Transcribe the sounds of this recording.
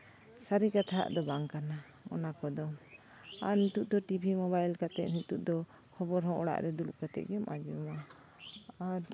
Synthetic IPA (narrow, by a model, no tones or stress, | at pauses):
saɾikat̪ʰaɦa̰ʔd̪ɔbaŋkana | ɔ̰nakɔd̪ɔm | aɾnit̪uʔ̚d̪ɔʈibʱimɔβajlkat̪ɛt̪̚nit̪uʔd̪ɔ | hɔbɔɾɦɔ̃ʔɔɽa̰ʔɾɛd̪uluʔkat̪ɛ̰t̪̚ɡɛɔmʔad͡ʒuma | aɾ